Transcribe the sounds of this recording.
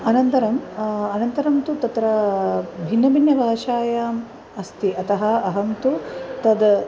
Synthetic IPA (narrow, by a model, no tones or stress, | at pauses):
ɐnɐnt̪ɐɾɐmɐnɐnt̪ɐɾɐmt̪ut̪ɐt̪ɾɐbʱinːɐbʱinjɐbʱaːʃaːjaːm | ɐst̪iɐt̪ɐɦɐɐɦɐmt̪ut̪ɐd̪